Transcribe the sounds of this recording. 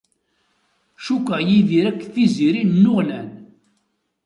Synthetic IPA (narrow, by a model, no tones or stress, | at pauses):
ʃukʷːəʁjiðiɾækːθiziɾinːʊʁlæn